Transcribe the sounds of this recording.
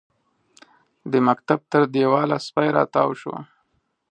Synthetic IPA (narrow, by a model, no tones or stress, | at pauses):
d̪əmakt̪ab̚t̪əɾd̪ewɑlaspajɾɑ̰t̪ɑwʃwa̰